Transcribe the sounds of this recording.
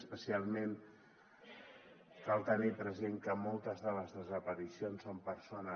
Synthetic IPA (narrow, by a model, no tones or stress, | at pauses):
spəsialˠmen | kalˠt̪ənipɾəzeŋkəmɔlˠt̪əzðələzðəzəpəɾisionsompəɾsonə